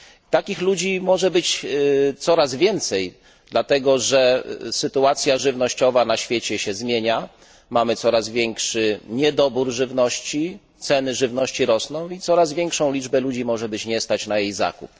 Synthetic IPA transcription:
t̪akʲixlud͡ʑimɔʐɛbɘt͡ɕt̪sɔɾazvʲjɛnt̪sɛj | d̪lat̪ɛɡɔʐɛsɘt̪uat̪sʲjaʐɘvnɔɕt͡ɕɔvanaɕfʲjet͡ɕɛɕɛzmʲjeɲa | mamɘt̪sɔɾazvʲjɛŋkʂɘɲɛd̪ɔbuɾʐɘvnɔɕt͡ɕi | t̪sɛnɘʐɘvnɔɕt͡ɕiɾɔsnɔ̃w̃it̪sɔɾazvʲjɛŋkʂɔ̃w̃lʲid͡ʐbɛlud͡ʑimɔʐɛbɘt͡ɕɲɛst̪at͡ɕnajejza̰kṵp̚

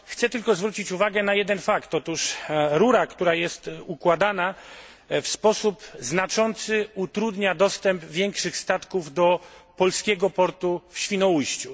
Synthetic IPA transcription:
xt̪sɛt̪ɘlkɔzvɾut͡ɕit͡ɕuvaɡɛnajɛd̪ɛnfakt̪ɔt̪uʂɾuɾakt̪uɾajɛst̪ukwad̪ana | fspɔsupznat͡ʂɔnt̪sɘut̪ɾud̪ɲad̪ɔst̪ɛmpvʲjɛŋkʂɘxst̪at̪kuvd̪ɔpɔlskʲɛɡɔpɔɾt̪ufɕfʲinɔujɕt͡ɕu

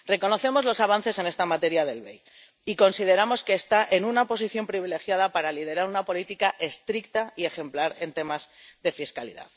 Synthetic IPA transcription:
re̞ko̞no̞θe̞mo̞zlo̞saβ̞an̟θe̞se̞ne̞st̪amat̪e̞ɾjaðe̞lβe̞̰j | iko̞nsið̞e̞ɾamo̞ske̞ːst̪aʔe̞nunapo̞siθjo̞mpɾiβile̞xjað̞apaɾalið̞e̞ɾaɾunapo̞lit̪ikaʔe̞st̪ɾik̚t̪aie̞xe̞mplaɾe̞nt̪e̞mazðe̞fiskalḭða̰ð

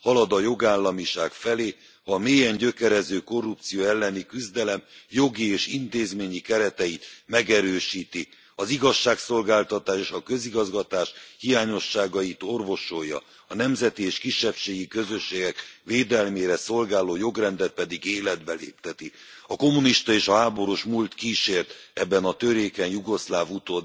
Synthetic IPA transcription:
hɒlɒd̪ɒjo̞ɡaːlːɒmiʃaːkfɛleː | hɒmeːjɛɲɟø̞kɛɾɛzøːko̞rːup̚t̪sijoːɛlːɛnikyzd̪ɛlɛmjo̞ɡieːʃint̪eːzmeːɲikɛɾɛt̪ɛit̪mɛɡɛɾøːʃiːt̪i | ɒziɡɒʃːaːkso̞lɡaːlt̪ɒt̪aːʃeːʃɒkøziɡɒzɡɒt̪aːʃhijaːɲo̞ʃːaːɡɒjit̪o̞rvo̞ʃojːɒ̰ | ɒnɛmzɛt̪ieːʃkiʃːɛpʃeːɡikø̞zø̞ʃːeːɡɛkʋeːd̪ɛlmeːɾɛso̞lɡaːloːjo̞ɡrɛnd̪ɛt̪̚pɛd̪iɡeːlɛd̪bɛlḛːpt̪ɛt̪iɒko̞muniʃt̪ɒeːʃɒɦaːbo̞ɾuʃmult̪kiːʃeːrt̪ɛbːɛnɒt̪øɾeːkɛnjuɡo̞slaːvut̪oːd̪

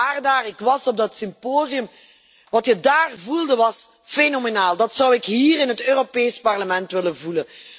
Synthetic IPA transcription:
aːrdaːrɪkʋɑzɔb̚dɑtsɪmpoːziəm | ʋɑtjədaːrvulˠdəʋɑs | fenomenaːlˠdɑtsʌwɪkɦiːrɪnɦətøːropeːspɑrləmɛntʋɪlənvulən

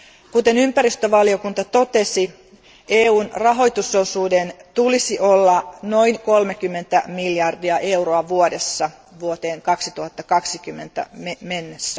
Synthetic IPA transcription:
kut̪enympæɾist̪øʋɑliokunt̪ɑt̪o̞t̪esi | eːuːnrɑɦo̞jt̪usːousuːdent̪ulisiʔolːɑnoiŋkolmekymːent̪æmiljɑrdiɑʔeuroɑʋuodesːɑ | ʋuot̪eːŋkɑksit̪uhɑt̪ːɑkɑksikymːe̞nt̪æ̰memenːesːæ

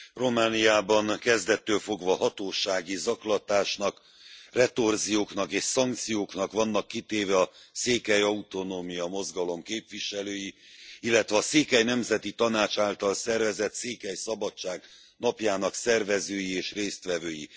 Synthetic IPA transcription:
ro̞maːnijaːbɒnkɛzd̪ɛt̪ːøːlfo̞ɡvɒhɒt̪oːʃaːɡizɒklɒt̪aːʃnɒk | rɛt̪o̞rzijoːknɒkeːʃsɒŋk̚t̪sijoːknɒkʋɒnːɒkːit̪eːvɛɒseːkɛjɒut̪o̞noːmijɒmo̞zɡɒlo̞mkeːpʋiʃɛløːjiilːɛt̪vɛɒseːkɛjnɛmzɛt̪it̪ɒnaːt͡ʃaːlt̪ɒlsɛrvɛzɛt̪seːkɛjsɒbɒt͡ʃːaːɡ | nɒpjaːnɒksɛrvɛzøːjieːʃreːst̪ʋɛvøːjḭ

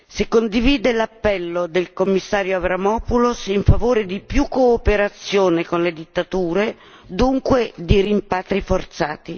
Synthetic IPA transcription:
sekːond̪iviːd̪elapːɛlːod̪elkomːisːaːɾjoavɾamɔːpulosiɱfavoːɾed̪ipjukːoːpeɾat̪sːjoːnekonled̪it̪ːat̪uːɾe | d̪uŋkwed̪iɾimpaːt̪ɾifort̪saːt̪i

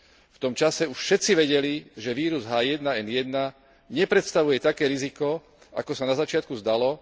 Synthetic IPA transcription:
ft̪ɔmt͡ʃasɛuʃfʃɛt̪t͡siʋɛɟɛliʒɛʋiːɾuzɦaːjɛd̪naɛnjɛd̪na | ɲɛpɾɛt̪st̪aʋujɛt̪akɛːɾizikɔ | a̰kɔsanazat͡ʃɪat̪̚kuzd̪alɔ

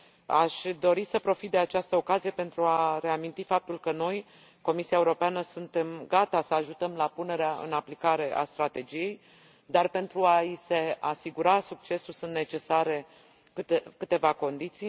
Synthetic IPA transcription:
aʃʲd̪o̞ɾisəpɾo̞fit̪̚d̪eat͡ʃast̪əo̞kazije̞pe̞nt̪ɾuaɾe̞amint̪ifap̚t̪ulkəno̞j | ko̞misiaeuɾo̞peanəsunt̪e̞mɡat̪asəaʒut̪əmlapune̞ɾeaɨ̰naplikaɾe̞ʔa̰st̪ɾat̪e̞d͡ʒije̞j | d̪arpe̞nt̪ɾuaise̞asiɡuɾasuk̚t͡ʃe̞sulsɨnt̪ne̞t͡ʃe̞saɾe̞ | kɨt̪ekɨt̪e̞vako̞nd̪it̪sij

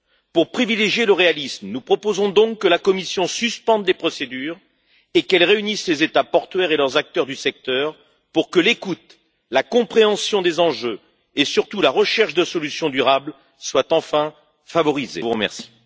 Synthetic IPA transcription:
puʁpχivileʒjeləʁealismnupχɔpozɔ̃d̪ɔ̃kːəlakɔmisjɔ̃syspɑ̃d̪lepχɔsed̪yːʁ | ekɛlʁeynislezet̪apɔʁt̪ɥɛʁelœʁzak̚t̪œʁd̪ysɛk̚t̪œʁ | puʁkəlekut̪ | lakɔ̃pχeɑ̃sjɔ̃d̪ezɑ̃ʒø | esyʁt̪ulaʁəʃɛʁʃd̪əsɔlysjɔ̃d̪yʁabl | swat̪ɑ̃fɛ̃ | favɔʁizḛvuʁəmɛ̰ʁsi̥

